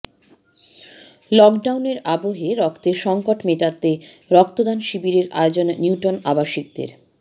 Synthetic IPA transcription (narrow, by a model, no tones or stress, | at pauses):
lɔkɖawneɾaboɦeɾɔkt̪eɾʃɔŋkoʈmeʈat̪eɾɔk̚t̪od̪anʃibiɾeɾa̰eod͡ʑonːiwʈonabaʃik̚d̪ḛɾ